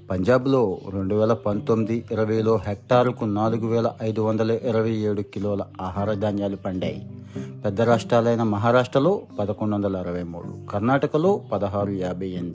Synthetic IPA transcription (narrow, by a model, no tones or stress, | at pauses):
pɐɲd͡ʒaːblo̞ːɾe̞ɳɖuʋɛːlɐpɐnt̪omːid̪iiɾɐʋɐjlo̞ːɦek̚ʈaːɾukunaːluɡuʋɛːlɐʔɐjd̪uʋɐnd̪ɐlɐʔiɾɐʋɐjeːɽukiloːlɐaːɦaːɾɐd͡ʒ̪aːnjaːlupɐɳɖa̰ːjḭpɛd̪ːɐɾaːʂʈɾaːlɐjnɐmɐɦaːɾaːʂʈɾɐlo̞ːpɐd̪ɐkoɳɖuʋɐnd̪ɐlɐiɾɐʋɐjmṵːɽṵkɐɾnaːʈɐkɐlo̞ːpɐd̪ɐɦaːɾujaːbʱɐjend̪i